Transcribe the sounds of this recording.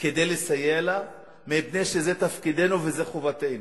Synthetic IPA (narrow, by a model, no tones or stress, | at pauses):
ked̪ejlesajela | mebnejʃezet̪afkid̪enuvezeχovat̪enu